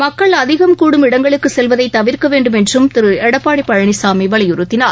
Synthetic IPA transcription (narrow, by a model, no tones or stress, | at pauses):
mɐkːɐɭɐðɪɣɐmkuːɽɯmɪɽɐŋɡɐɭɯkːɯsɛlʋɐðɐɪt̪ːɐʋɪɾkɐʋeːɳɖɯmɛndrɯmt̪ɪɾɯɛɽɐpːaːɽipːɐɻɐɳisaːmiʋɐlɐjʊɾɯt̪ːɪnaːɾ